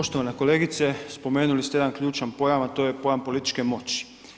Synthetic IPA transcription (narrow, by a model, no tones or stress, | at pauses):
oʃt̪oʋanekoleːɡit̪sɛspomeːnulist̪ɛjed̪anklʲjuːt͡ʃanpojamat̪ojɛpojampolit̪i̥t͡ʃkɛmot͡ʃi̥